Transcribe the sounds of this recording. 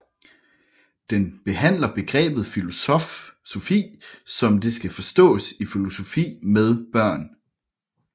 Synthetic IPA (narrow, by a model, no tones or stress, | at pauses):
d̥enb̥e̝hæn̰lɐb̥e̝ɡ̥ʁɛ̰ːb̥ð̩ˠf | so̝fḭːsɒ̽mde̝sɡ̥æfɒ̽sd̥ɔ̰̽ːsifilo̝so̝fḭːmeð̞ˠb̥ɶɐ̰n